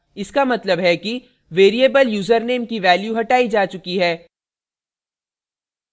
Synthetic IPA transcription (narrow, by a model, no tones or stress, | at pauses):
ɪskamɐt̪ləbɦɛki | ʋeːɾieːbəljuːzəɾneːmkiʋɛːljuɦɐʈaːid͡ʒaːt͡ʃʊkiɦɛː